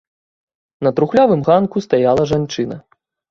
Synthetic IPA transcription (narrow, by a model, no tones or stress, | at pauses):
nɐt̪ɾuxlʲavɨmɣankust̪ajalˠɐʐant͡ʂɨnɐ̰